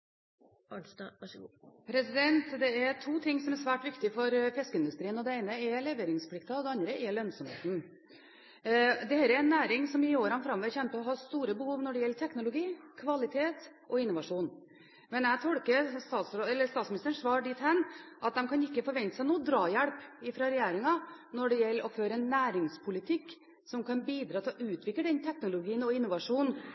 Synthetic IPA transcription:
pʰɾɛsɪd̪ɛnt̪d̪ɛɛɾʈʰuːt̪ʰɪŋːsɔmæɾsʋæːʈʋɪkt̪ɪfɔɾfɛskəɪnd̪ʉst̪ɾiːənɔd̪ɛeɪnəɛlɛʋeːɾɪŋspʰlɪkt̪ɑɔd̪ɛɑnd̪ɾəʔɛlœnsɔmhḛːt̪n̩ | d̪ɛheːɾɛɾɛnːæːɾɪŋsɔmɪoːɾɑnfɾɑmːɔʋɛçɛmpəɔɦɑst̪uːɾəbəhuːʋnɔɖɛjɛlːət̪ʰɛknʊlʊɡiːkʰʋɑlɪt̪ʰeːt̪ | ʔɔɪnːʊʋɑʂuːn | mɛnæɪt̪ʰɔɽkəɾst̪ɑːt̪sɛlːəst̪ɑːt̪smɪnɪst̪əɳʂʋɑːɾɖɪt̪hɛnːʔɑt̪̚d̪ɛmkʰɑnɪkːəfɔɾʋɛnt̪ə̥sæɪnuːd̪ɾɑːjæɽpɪfɾɑɾɛjeːɾɪŋɑnɔɖɛjɛlːəɾɔføːɾəɛnːæːɾɪŋspʰʊlɪt̪ʰɪkː | sɔmkʰɑnbiːd̪ɾɑːt̪ʰɪlɔʔʉːt̪ʰʋɪkləɖ̪ɛnt̪ʰɛknʊlʊɡiːənɔɪnːʊʋɑʂuːn

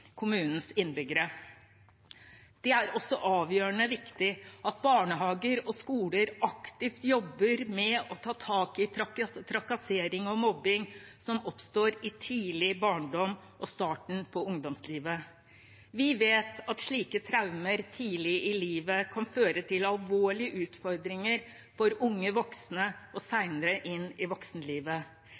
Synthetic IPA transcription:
kʰʊmʉːnn̩sɪnbʏɡəɾə | d̪̥ɛæɾɔsːɔʔɑːʋjøːəɳəʋɪkt̪ɪɑt̪̚bɑːɳəɦɑːɡəɾɔskuːləɾɑkt̪ɪft̪jɔbːəɾmɛɔt̪ʰɑːt̪ʰɑːkɪɑkt̪ʰɾɑkɑseːɾɪŋɔmɔbːɪŋsɔmɔpst̪oːɾɪt̪ʰiːlɪbɑːɳɖɔm | ʔɔst̪ɑːʈɳ̩pʰɔʊŋd̪ɔmsliːʋə | ʋɪʋeːt̪ɑt̪ʂɭiːkət̪ʰɾaʉməɾt̪ʰiːlɪɪliːʋəkʰɑnføːɾət̪ʰɪlɑlʋoːɭɪəʔʉːt̪fɔɾd̪ɾɪŋəɾ | fɔɾʊŋːəʋɔksnəʔɔsæɪnəɾəʔɪnːɪʋɔksnəliːʋə

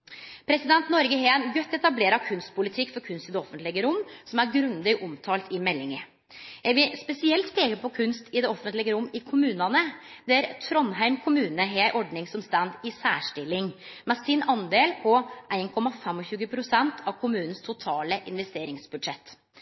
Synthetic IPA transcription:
pʰɾɛsɪd̪ɛnt̪nɔɾɡəɦeːæɪnɡœt̪ːɛt̪ɑbleːɾɑkʰʉnst̪̚pʊlɪt̪ʰɪkːfɔɾkʰʉnst̪ɪd̪ɛɔfənt̪lɪɡəɾʊmsɔmæɾɡɾʉnd̪ɪɡʔɔmt̪ʰɑːlt̪ʰɪmɛlːɪŋə | jæɪʋɪspɛsɪɛlt̪pʰeːkəɾpɔkʰʉnst̪ɪd̪ɛɔfənt̪lɪɡəɾʊmːɪkʰʊmʉːnɑnəd̪ɛæɾt̪ʰɾɔnɦæɪmkʰʊmʉːnəɦeʔɔɖnɪŋsɔmst̪ænd̪ɪsæːʂʈɪlːɪŋmɛsɪnɑnd̪eːlpʰɔʔæɪnkʰɔmɑfɛmɔçʉːɡəpʰɾʊsɛnt̪ʰɑʋkʰʊmʉːnn̩st̪ʰʊt̪ʰɑːləʔɪnʋɛst̪eːɾɪŋsbʉd̪ʂɛt̪ː

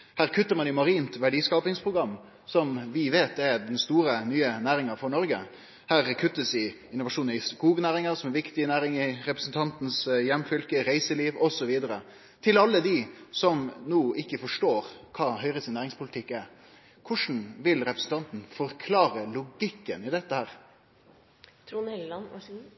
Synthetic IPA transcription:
hæːɾkʰʉt̪ːəɾmɑnɪmɑɾiːnt̪ʋæɖiːskɑːpɪŋspʰɾʊɡɾɑmː | sɔmʋɪʋeːt̪ɛɾd̪ɛnst̪uːɾənyːənæːɾɪŋəɾfɔɳɔɾɡə̰ | hæːɾkʰʉt̪ːəsɪ | ɪnːʊʋɑʂuːnənɪskuːɡnæːɾɪŋəɾsɔmɛɾʋɪkt̪ɪnæːɾɪŋɪɾɛpɾəsn̩t̪ʰɑnt̪n̩sjɛmːfʏlkəɾæɪsəliːʋɔsɔʋiːd̪əɾə | t̪ʰɪlɑlːəd̪isɔmnuːʔɪkːəfɔʂʈoːɾkʰɑːhœʏɾəsɪnːæːɾɪŋspʰʊlɪt̪ʰɪkːæ | kʰʊʂn̩ʋɪlɾɛpɾəsn̩t̪ɑnt̪n̩fɔɾkʰlɑːɾəlʊɡɪkːənɪd̪ɛt̪ːəhæːɾ | t̪ʰː

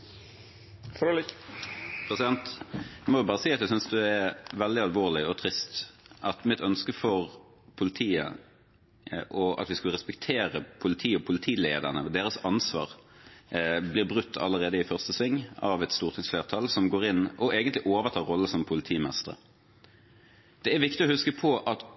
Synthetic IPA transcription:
f | pʰʁɛsɪd̪ɛnt̪æɪmɔʋɪbɑːʁəsiːɑt̪d̪ɛæsʏnsd̪ʉɛɾʋɛld̪ɪɑlʋoːʁlɪɔt̪ʰɾɪst̪ʔɑt̪mɪt̪œnskəfɔʁ | pʰʊlɪt̪ʰiːə̰ | ʔɔɑ̰t̪ʋɪskʉləʁɛspɛkt̪ʰeːɾəpʰʊlɪt̪ʰiːɔpʰʊlɪt̪ʰiːleːd̪əʁnəɔd̪eːɾəsɑnsʋɑ̰ːʁ | blɪʁbɾʉt̪ʰːɑ̰lːəʁeːd̪əɪfœʁst̪əsʋɪŋːɑʋɛt̪st̪uːʁt̪ʰɪŋsfleːʁt̪ʰɑlsɔmɡoːʁɪnːɔʔeːɡənt̪lɪʔoːʋət̪ʰɑːɾɔlːəsɔmpʰʊlɪt̪ʰiːmɛst̪əʁə̰ | d̪̥ɛæʋɪkt̪ɪɔhʉskəpʰɔʔɑt̪

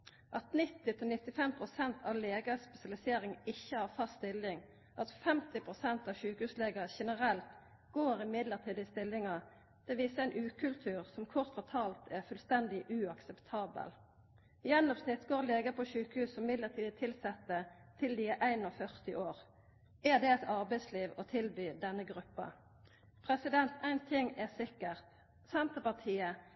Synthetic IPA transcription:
ʔɑt̪nɪt̪ɪt̪ʰɪlnɪt̪ːɪfɛmpʰʁʊsɛnt̪ʰɑʋleːɡəspɛsɪɑlɪseːʁɪŋɪçːəhɑːʁfɑst̪ɪlɪŋ | ʔɑt̪fɛmt̪ɪpʰʁʊsɛnt̪ɑʃʉːkəhʉːsleːɡəʃɛnəʁɛlt̪ | ɡoːʁɪmɪd̪ləʁt̪ʰiːd̪əɪst̪ɪlːɪŋɑ | d̪̥ɛʋiːsəæɪnʔʉːkʰʉlt̪ʰʉːʁsɔmkʰɔʁt̪fɔt̪ʰɑːlt̪ʰæʁfʉlst̪ɛnd̪ɪʔʉɑksɛpt̪ʰɑːbə̰l | jɛnːɔpsnɪt̪ɡoːʁleːɡəpʰɔʃʉːkhʉːsːɔmmɪd̪ləʁt̪ʰiːd̪ət̪ʰɪlsɛt̪ːət̪ʰɪld̪ɪʔæɪnɔfœʁt̪ɪʔoːʁ | ɛd̪ɛɛt̪ʰɑʁbɛɪsliːʋɔt̪ʰɪlbyːd̪ɛnːəɡʁʉpːɑ̰ | pʰʁɛsɪd̪ɛnt̪ʰæɪnt̪ʰɪŋɛʁsɪkəʁt̪ | sɛnt̪əpɑʁt̪ʰiːə

